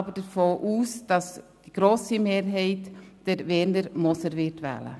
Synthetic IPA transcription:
bəd̥əɾfoːʔuːsd̥ɑs | d̥iɡ̥ɾoːsimeːɾɦɛɪtd̥ɛɾvɛːɾnəɾmɔsəɾvɪɾtvæ̰ːlə̰

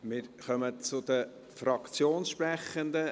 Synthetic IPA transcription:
mɪɾχœmət͡sʊd̪ə | fɾɑkt͡sjoːnsʃpɾɛχənd̪ə

